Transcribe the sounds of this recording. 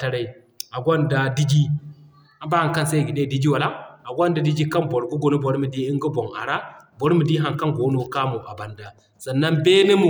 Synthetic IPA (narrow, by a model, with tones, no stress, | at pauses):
ta˨ɾa˦i˨ | a˨ɡʷa˦nda˦di˦d͡ʒi˦ | a˨ba˦a˨ka˦nsa˦˨ɡi˨ɗe˦˨di˦d͡ʒi˦wa˨la˦a˨ɡʷa˦nda˨di˦d͡ʒi˦ka˦nbo˨ɾɡu˦ɡo˨no˦bo˨ɾmi˨di˦i˦ŋɡu˦bo˨ŋa̰˨ɾa˦bo˦ɾmi˨di˦ɦa˨ŋka˦nɡo˨˦no˨˦ka˦mu˨ʔa˨ba˨nda˨ | sa˨nːa˦nbe˦ni˦mu˨